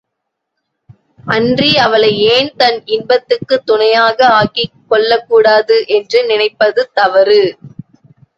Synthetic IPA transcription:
ʔɐndriɐʋɐɭɐɪeːnt̪ɐnɪnbɐt̪ːɯkːɯt̪ːʊɳɐjaːɣɐaːkikːɔɭːɐkːuːɽaːðɯʔɛndrɯnɪnɐɪpːɐðɯt̪ɐʋɐɾɯ

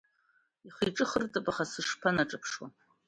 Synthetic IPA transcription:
iχijʈ͡ʂʼɨχərt͡sʼapʼaχasɨʂpʰanaʈ͡ʂʼɨpʰʂwa̰

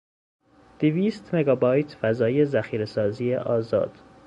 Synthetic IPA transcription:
d̪̥eviːst̪me̞ɡɒːbɒːjt̪ʰfæzɒːje̞zæxiːɾesɒːziːjḛʔɒːzɒ̰ːd̪̥

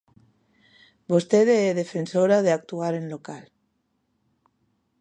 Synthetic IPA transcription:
bost̪eðeeðe̞fe̞nsoɾaðeak̚t̪uaɾenlo̞kal

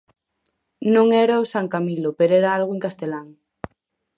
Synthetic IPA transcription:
nõŋeɾaosaŋkamilopeɾoeɾaalɣoeŋkast̪elaŋ

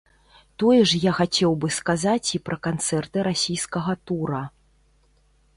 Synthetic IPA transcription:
t̪ɔjɛʂjaxat͡sʲɛwbɨskazat͡sʲipɾʔɐkant̪sɛrt̪ɨɾasʲijskɐɣɐt̪uɾɐ

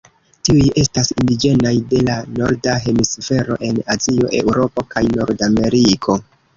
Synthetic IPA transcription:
tiuje̞stasindid͡ʒe̞najde̞lano̞ɾdaɦe̞misfe̞ɾo̞̰ʔe̞nazio̞̰ʔe̞̰wɾo̞po̞kajno̞̰ɾdame̞ɾikʰo̞

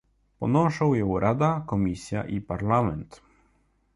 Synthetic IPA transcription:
pɔnɔʂawjɔwɾʔad̪akɔmʲisʲja̰ʔipaɾlamɛnt̪

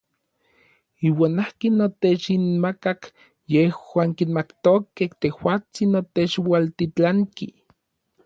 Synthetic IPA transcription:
iːwaːnahkinːot̪et͡ʃinmakak | jehwaːŋkinmakt̪okeht̪ehwaːt͡sinːot̪et͡ʃwalt̪it͡ɬaŋki

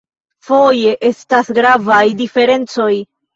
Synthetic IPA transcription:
fo̞je̞ʔe̞stasɡɾavajdife̞ɾe̞nt͡so̞j

